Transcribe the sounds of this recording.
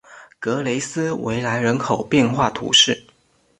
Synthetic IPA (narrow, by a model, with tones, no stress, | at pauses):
kɤ˧˥le˧˥ɪsɹ̩˥wḛ˧˥ɪla˧˥ɪɻə˧˥nkʰo˨˩ʊpjɛ˥˧nxwa˥˩t̪ʰṵ˧˥ʂɻ̩˥˩